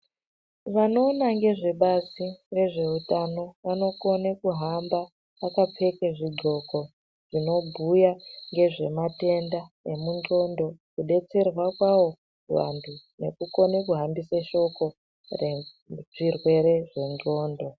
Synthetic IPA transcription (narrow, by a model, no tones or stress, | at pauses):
ʐano̞ːnaŋɡe̞ʐe̞ɓasire̞ʐe̞utano̞ʋano̞ko̞nekuɦamba | ʋakap͡fe̞keʐiɡo̞ko̞ | ʐ̥ino̞bʱujaŋɡe̞ʐe̞mate̞ndane̞munɟo̞ndo̞kuɗe̞t͡se̞rwakwawo̞ | rwa̰ndʰu | ne̞̰kuko̞nekuɦambisaʃo̞ko̞ | re | ʐirwe̞ɾe̞ʐe̞nd͡ɮo̞ːndo̞